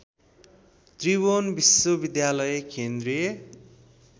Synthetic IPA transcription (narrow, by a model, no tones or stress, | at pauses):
t̪riβonbiswobid̪jalʌjekend̪rije